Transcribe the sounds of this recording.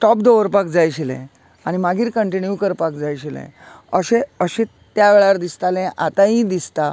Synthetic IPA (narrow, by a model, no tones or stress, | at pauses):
ʈɔpd̪oʋəɾpakd͡zajɕilɛ̰̃ | aɽ̃imaɡʱiːɾkəɳʈinjukəɾpakd͡zajɕilḛ̃ | əɕẽəɕẽ | t̪jaʋeɭaɾd̪ist̪alẽʔat̪aɦĩd̪ist̪a